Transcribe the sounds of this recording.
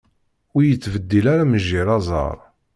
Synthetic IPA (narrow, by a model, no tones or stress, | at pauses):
ʊɾjət͡sːvəd̪ːilaɾaməʒːiɾˤɑzˤɑ̰ɾˤ